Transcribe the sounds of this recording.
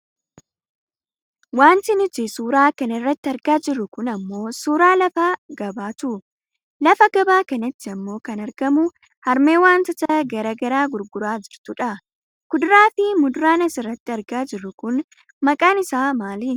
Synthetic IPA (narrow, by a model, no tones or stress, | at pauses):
waːnt̪ɪnʊt̪ɪsuːɾaːkɐnɐɪrːɐt̪ːɪɐɾɡaːd͡ʒɪrːʊkʊnɐmːo̞ːsuːɾaːlɐfaɡɐbaːt̪ʊ | lɐfɐɡɐbaːkɐnɐt̪ːɪɐmːo̞ːkɐnɐɾɡɐmʊ | hɐɾme̞ːwaːnt̪ɐt̪ɐɡɐɾɐɡɐɾaːɡʊɾɡʊɾaːd͡ʒɪɾt̪ʊᶑɐ | kʊd̪ʊɾaːfɪmʊd̪ʊɾaːnɐsɪrːɐt̪ːɪɐɾɡaːd͡ʒɪrːʊkʊn | mɐkʼaːnɪsaːmaːli